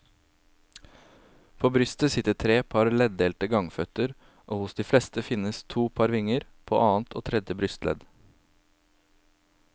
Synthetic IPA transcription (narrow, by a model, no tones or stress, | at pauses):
pʰoːbɾʏst̪əsɪt̪əʈʰɾeːpʰɑɾlɛd̪eːlt̪əɡɑŋfœt̪əɾ | ʔoːhʊsd̪iːflɛst̪əfɪnəst̪ʰuːpʰɑɾʋɪŋəɾpʰo̰ːʔɑːnt̪ʰo̰ːt̪ʰɾɛd̪jəbɾʏst̪lʔɛ̰d̪